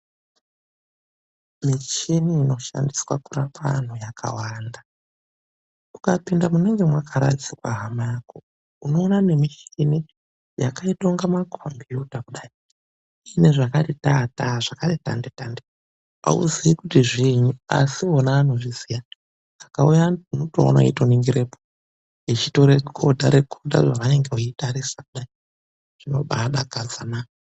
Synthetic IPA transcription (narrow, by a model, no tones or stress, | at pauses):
mit͡ʃeniːno̞ʃa̰ndiswa̰kurapa̰n̤ujakʰa̰waːnda | ukapindamuneŋɡe̞mwakʰaɾa̰tisikwa̰ɦamako | uno̞ːnane̞mit͡ʃeni | jakaito̞ŋɡamakʰombuutakuɗai | ine̞ʐakatetataʐakareta̰ndetande | a̰ṵziikutiʐiɲua̰sionaːn̤uʐizija | akaujaunoto̰o̰na̰ḭtoniŋɡiɾepo | it͡ʃito̞ɾekʰo̞dʱaɾe̞kʰodʱa̰ʐaʋane̞ŋɡeuitaɾisakuɗai | ʐ̥inoɓaɗaɡʱad͡zanaː